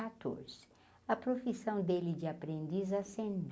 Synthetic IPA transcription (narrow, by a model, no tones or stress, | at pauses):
at̪o̰ɾz̥ɪ̥ | ɐpɾofisɐ̃w̃d̪elɪd͡ʒɪapɾẽnd̪izɐsẽnd̪